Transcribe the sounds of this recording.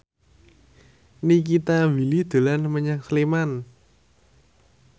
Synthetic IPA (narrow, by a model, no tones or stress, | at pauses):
nik̬it̪awilid̪̥o̤lanməɲaŋsliman